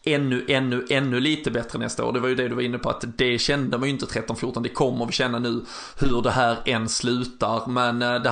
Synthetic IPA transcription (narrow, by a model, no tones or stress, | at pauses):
ʔɛnːɵʔɛnːɵʔɛnːɵliːt̪əbɛt̪ɾənɛ̰st̪ao̰ːɖ̪ɛvaɾjɵd̪ɛd̪ɵvaɾɪnːəpʰɔa̰t̪d̪ɛɕɛnd̪əmanjʏnt̪ət̪ʰɾɛt̪ːɔnfjʊːɾʈ̪ːɔnd̪ɛkʰɔmːəɾvɪɕɛnːanʉ̟ː | hɵɖɛɦæːɾɛnslʉ̟ːt̪aɾmɛnd̪ɛ